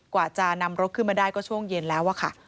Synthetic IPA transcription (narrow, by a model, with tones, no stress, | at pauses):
kwaː˨˩t͡ɕa˨˩na˧mɾo˦˥t̚kʰɯ˥˩maː˧daː˥˩jkɔː˥˩t͡ɕʰu˥˩əŋje˧nlɛː˦˥wʔa˧˩kʰa̰˥˩